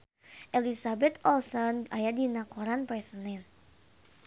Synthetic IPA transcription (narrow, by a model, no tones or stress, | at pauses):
ʔelisabɛt̪ɔlsɔnajadinakɔɾanpɾɛsənɛn